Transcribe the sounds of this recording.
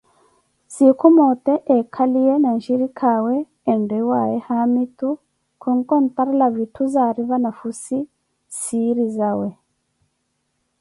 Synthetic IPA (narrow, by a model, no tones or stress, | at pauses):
sikumoteʔekʰalijenanʃiɾikʰaweː | ndewajehamitu | kʰuŋkontaɾilaβitʰuzaɾiβanafusi | siɾizawe